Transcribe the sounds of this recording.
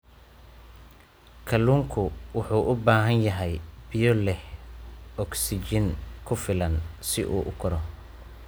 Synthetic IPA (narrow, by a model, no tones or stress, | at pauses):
kʰɐluːŋkʰʊwʊħuːʔʊbaːɦɐnjɐɦɛjbɪjɔlɛh | ɔksɪt͡ʃɪnkʰʊfɪlɐnsɪʔṵːʔʊkʰɐɾɔ